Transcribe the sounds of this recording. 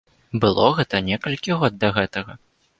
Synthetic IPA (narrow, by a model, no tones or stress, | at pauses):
bɨlˠɔɣɛt̪ɐnʲɛkɐlʲkʲiɣɔd̪d̪ɐɣɛt̪ɐɣɐ